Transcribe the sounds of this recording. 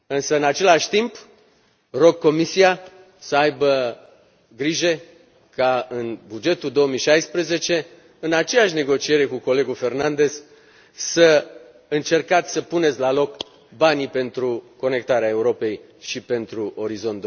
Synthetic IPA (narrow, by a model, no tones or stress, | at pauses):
ɨnsəɨnat͡ʃe̞laʃʲt̪imp | ro̞ɡ̚ko̞misia | səajbə | ɡɾiʒe̞ | kaɨnbud͡ʒe̞t̪uld̪o̞omijʃajspɾeze̞t͡ʃe̞ | ɨnat͡ʃe̞jaʃ̬ne̞ɡo̞t͡ʃie̞ɾe̞kuko̞le̞ɡufe̞rnand̪e̞z̥ | sə | ɨnt͡ʃe̞rkat̪sʲsəpune̞t̪sʲlalo̞k | banipe̞nt̪ɾuko̞ne̞k̚t̪aɾeae̞uɾo̞pe̞j | ʃipe̞nt̪ɾuʔo̞ɾizo̞nt̪d̪